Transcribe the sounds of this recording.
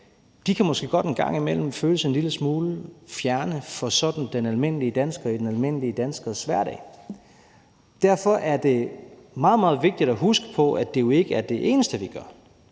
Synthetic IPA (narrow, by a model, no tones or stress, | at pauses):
d̥ikʰæmɒ̽sɡ̥e̝̰ːɡ̥ɒ̽ɾ̥e̝nɡ̥ɑ̈ŋ̰imel̰m̩føːləse̝nliləsmuːləfjæɐnəfɒ̽sɒ̽d̥n̩d̥enælme̝n̰əliəd̥ænsɡ̥ɐid̥enælme̝n̰əliəd̥ænsɡ̥ɐsʋæɐ̰ɾɛ̰ː | d̥æɐfɒ̽ʔæɐd̥e̝mɑ̈ːð̞̩ˠmɑ̈ːð̞̩ˠʋe̝ɡ̥̚d̥id̥æɦusɡ̥ə̥pʰɒ̽æd̥e̝jo̝e̝ɡ̥əæɐd̥e̝ʔe̝ːnəsd̥əʋiɡ̥ɶɐ